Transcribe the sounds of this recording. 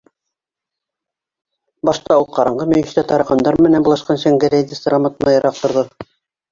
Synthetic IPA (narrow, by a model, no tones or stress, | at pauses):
bɑʃt̪ɑulˠqɑɾɑɴʁɤmɵ̆jɘ̆ʃt̪æt̪ɑɾɑqɑnd̪ɑɾmɘ̆nænbulˠɑʃqɑnɕɑŋɡɘɾʲed̪ʲist̪ɤ̆ɾɑmɤt̪mɑjɤ̆ɾʔɑq̚t̪ŏɾðɤ